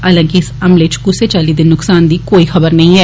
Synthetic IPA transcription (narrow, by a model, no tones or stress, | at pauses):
ɐlə̃ːŋkiɪsɐmleɪt͡ʃkuset͡ʃaːliːd̪ɪnːʊksaːnd̪iːkoːixɐbəɾnɐɦĩɛː